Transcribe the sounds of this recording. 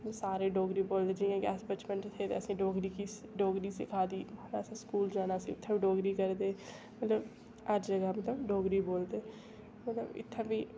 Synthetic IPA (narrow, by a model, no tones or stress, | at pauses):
saːɾeːɖoːɡɾiːboːld̪eːd͡ʒiːãːɡɛːsbət͡ʃmə̃ɳʈt̪ʰeːt̪ḛəsĩːɖoːɡɾiːkiɖoːɡɾiːsɪkʰaːd̪iːaɾaːsãːskuːld͡ʒaːnaːsḭːʊt̪ʰːẽbiːɖoːɡɾiːkəɾd̪eː | mət̪ləb | əɾd͡ʒəɡaːmət̪ləbɖoːɡɾiːboːld̪eː | mət̪ləbɪ̰t̪ʰːebiː